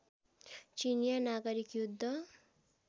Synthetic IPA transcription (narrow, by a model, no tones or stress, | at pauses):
t͡ʃinjanaɡʌɾikjud̪ʱːʌ